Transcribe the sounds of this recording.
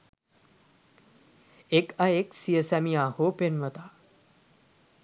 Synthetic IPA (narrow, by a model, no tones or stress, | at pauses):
ekaeksijəsæmijaːhoːpenʋət̪a